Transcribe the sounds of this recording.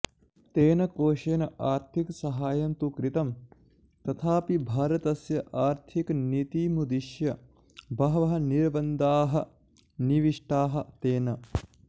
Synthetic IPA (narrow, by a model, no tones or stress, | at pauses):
t̪eːnɐkoːʃeːnɐʔaːɾt̪ʰiksɐɦaːjɐnt̪ukɾit̪ɐm | t̪ɐt̪ʰaːpibʱaːɾɐt̪ɐsjɐʔaːɾt̪ʰiknit̪iːmud̪iʃjɐ | bɐɦɐʋɐɦɐniɾbɐnd̪aːɦɐ | niʋiʂʈaːɦɐ̆t̪eːnɐ